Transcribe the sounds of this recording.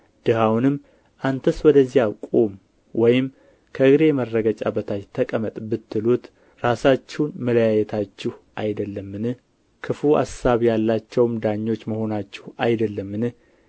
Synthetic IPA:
d̪̥ɨɦawnɨmː | ʔant̪ʰəswɔd̪əzːijakʼom | wɔjɪm | kʰəɨɡɾe̞mərːəɡət͡ʃʼa̰bət̪ʰajt̪ʰəkʼəmət̪ʼbɨt̪ːɨlut̪ | ɾasat͡ʃːɛnmələjajɛt̪ʰat͡ʃːɪhʔajd̪əlːəmːɨnɨ | kʰɨfua̰saβjalːat͡ʃːɛwmd̪aɲːo̞t͡ʃːməho̞nat͡ʃːɪhajd̪əlːəmːɨnɨ

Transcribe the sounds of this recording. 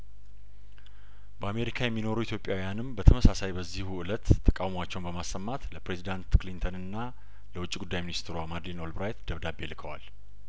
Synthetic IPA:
bəame̞ɾikʰajɛmːino̞ɾəwit̪ʰjo̞pʼjawijanɨmbət̪ʰəməsasajbəzːihuɨlət̪ʰːə̥kʼawmwat͡ʃːɛwnbəmasːəmːat̪ləpɾe̞zid̪ant̪klint̪ʰənɨnːa | ləwʊt͡ʃʼːiɡud̪ːajminist̪ʰɾuamad̪lino̞lbɾajt̪d̪əβd̪abelɨkʰəwa̰l

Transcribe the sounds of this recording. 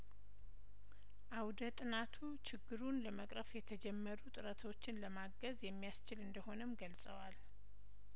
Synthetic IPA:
ʔawd̪ət̪ʼɨnat̪ʰut͡ʃʰɪɡːɨɾunləməkʼɾəfjɛt̪ʰəd͡ʒɛmːəɾut̪ʼɨɾət̪ʰo̞t͡ʃːɪnləmaɡəzjɛmːijast͡ʃɪlɨnd̪əho̞nəmɡəlsʼəwal

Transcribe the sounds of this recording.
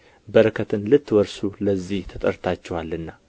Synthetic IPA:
bəɾəkʰət̪ʰɨnlɨt̪ːwəɾsuləzːiht̪ʰət̪ʼəɾt̪ʰat͡ʃːɛwalːɨnːa

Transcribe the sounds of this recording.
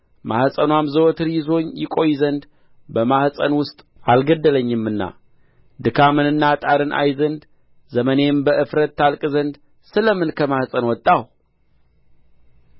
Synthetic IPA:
mahsʼənwamzəwot̪ʰɨɾjɪzo̞ɲːjɪkʼo̞jzənd̪ | bəmahsʼənwʊst̪ʼʔalɡəd̪ːələɲːɨmːɨnːa̰ | d̪ɨkʰamɨnɨnːat̪ʼaɾɨnʔa̰jzənd̪ | zəməne̞mbəʔɨfɾət̪ːalkʼzənd̪ | sɨləmɨnkʰəmahsʼənwɔt̪ʼːaw

